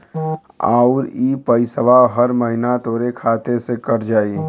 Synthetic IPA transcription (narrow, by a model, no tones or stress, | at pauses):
a̰ːʊɾipəɪsəʋaɦəɾməɦɪnat̪oːɾekʰaːt̪esekəɾd͡ʒaːi